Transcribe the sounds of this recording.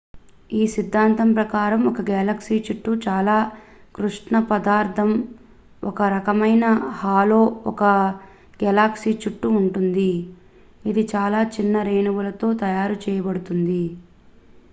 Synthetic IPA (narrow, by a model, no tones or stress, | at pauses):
iːsid̪ʱːaːnt̪ɐmpɾɐkaːɾɐmɔkɐɡɛlaksiːt͡ʃuʈːut͡ʃaːlaː | kɾuʂʈɳɐpɐd̪aːɾt̪ʰɐm | ɔkɐɾɐkɐmɐjnɐhaːlo̞ːɔkɐ | ɡɛlaːksiːt͡ʃuʈːuːɳʈund̪i | id̪it͡ʃaːlaːt͡ʃinːɐɾeːnɐʋulɐt̪o̞ːt̪ɐjaːɾut͡ʃɛːjɐbɐɽut̪und̪i